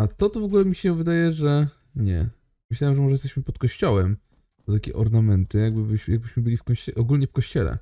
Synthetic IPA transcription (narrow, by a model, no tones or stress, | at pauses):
at̪ɔt̪ɔvɔɡulɛmʲiɕɛvɘd̪ajɛʐɛ | ɲɛ̰ | mɘɕlawɛmʐɛmɔʐɛjɛst̪ɛɕmɘpɔt̪kɔɕt͡ɕɔwɛm | d̪ɔt̪akʲɛ̰ʔɔɾnamɛnt̪ɘjaɡ̚bɘbɘɕjaɡ̚bɘɕmɘbɘlʲifkɔɕɛʔɔɡulɲɛfkɔɕt͡ɕɛlɛ̰